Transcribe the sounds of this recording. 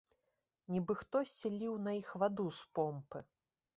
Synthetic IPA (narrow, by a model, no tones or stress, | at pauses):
nʲibɨxt̪ɔsʲt͡sʲilʲiwnɐixvad̪uspɔmpɨ